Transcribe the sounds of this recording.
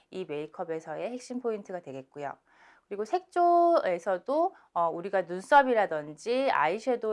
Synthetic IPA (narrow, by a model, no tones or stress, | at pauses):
ime̞ikʰʌbe̞sʰʌe̞ɦe̞k̚ɕ͈impʰointʰɯɡadwe̞ɡe̞t̚k͈ujo̰ | kɯɾiɡosʰe̞k̚t͡ɕ͈oe̞sʰʌdo | ʌuɾiɡanuns͈ʌbiɾadʌnd͡ʑia̰iɕʰedo